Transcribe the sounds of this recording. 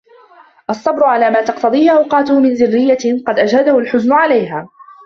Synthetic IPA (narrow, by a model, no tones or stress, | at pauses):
ʔɑsˤːɑbɾʊʕalaːmaːt̪ɑqt̪ɑd̪ˤiːhɪʔɑwqɑːt̪ʊhmɪnzɪrːɪjːaqɑd̪ʔad͡ʒhad̪ahʊlħʊznʊʕalajɦaː